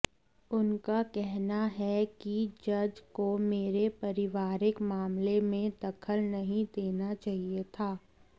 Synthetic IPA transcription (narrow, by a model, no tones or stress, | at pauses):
ʊnkakɛɦnaɦɛkid͡ʒɐd͡ʒkomeːɾepɐɾɪʋaːɾɪkmaːmlemẽd̪ɐkʰəlnɐɦĩd̪eːnat͡ʃaːɦiet̪ʰaː